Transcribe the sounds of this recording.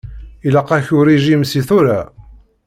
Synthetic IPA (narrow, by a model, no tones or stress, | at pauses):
iləqːæçʊɾiʒimsiθʊɾa